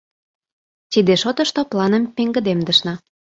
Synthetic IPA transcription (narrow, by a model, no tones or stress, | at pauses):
t̪id̪eʃot̪ɤ̆ʃt̪oplɑnə̆mpeŋɡə̆d̪emd̪ə̆ʃnɑ